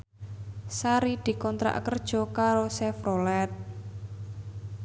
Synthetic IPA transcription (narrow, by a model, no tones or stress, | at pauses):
saɾid̪̥i̤kɔnt̪ɾa̰ʔkərd̥ʒ̥ɔ̤kaɾosɛfrolɛt̪̚